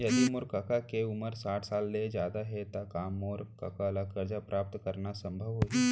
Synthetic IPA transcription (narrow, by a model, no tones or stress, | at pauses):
jɐd̪imʊɾkɐkakeʊməɾsaːʈʰsaːlːed͡ʒjaːd̪aɦɛt̪akaːmɔːɾkɐ̰kalakɐɾd͡ʒapɾʔaːp̚t̪kəɾnasə̃mbʱəʋɦoːi